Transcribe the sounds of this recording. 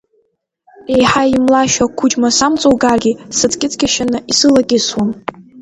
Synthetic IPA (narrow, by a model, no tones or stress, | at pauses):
ejħaimlaʃakʷʰʊd͡ʒmasamt͡sʼowɡarɡʲisɨt͡sʰʼkʲʼɪt͡sʰʼkʲʰaʃanɨʔisɨlakʲʼɪswam